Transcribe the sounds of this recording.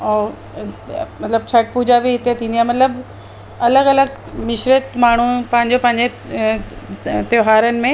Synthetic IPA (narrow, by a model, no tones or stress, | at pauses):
ɔː | mɐt̪ləbt͡ɕʰɐʈ̚puːd͡ʑabiɦɪt̪et̪ʰĩːnd̪ijaːmɐt̪ləb | ɐləɡɐləɡ | mɪʃɾət̪maːɳ̤upɐ̃ɦɪ̃ɲd͡ʑopɐ̃ɦɪ̃ɲd͡ʑe | t̪joːɦaːɾənɪ̆mẽ